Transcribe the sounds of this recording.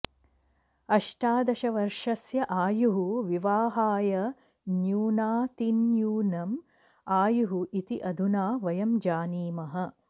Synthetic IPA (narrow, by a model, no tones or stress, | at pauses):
ɐʂʈaːd̪ɐʃɐʋɐɾʂɐsjɐʔaːjuɦuʋiʋaːɦaːjɐ | njuːnaːt̪injuːnɐm | aːjuɦuʔit̪iʔɐd̪ʱunaːʋɐjɐmd͡ʒaːniːmɐɦɐ